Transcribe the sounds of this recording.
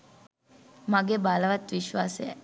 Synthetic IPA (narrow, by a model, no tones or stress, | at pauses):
maɡebaləʋat̪ʋiʃʋaːsejæ̰